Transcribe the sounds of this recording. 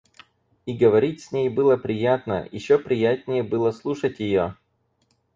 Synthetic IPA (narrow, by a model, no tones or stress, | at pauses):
iɡəvɐɾʲitʲsʲnʲejbɨlˠəpɾʲɪjat̪nə̰jɪ̰ɕːopɾʲɪjætʲnʲɪjəbɨlˠəslˠuʂətʲjɪjo